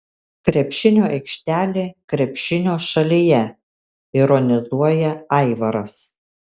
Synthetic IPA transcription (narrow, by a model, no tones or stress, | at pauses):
kɾʲɛpʲʃʲɪnʲoːʔɛɪkʃʲt̪ʲæːlʲeːkɾʲɛpʲʃʲɪnʲoːʃɐlʲijɛ | ɪɾɔnʲɪzuɔjɛɐɪʋɐɾɐs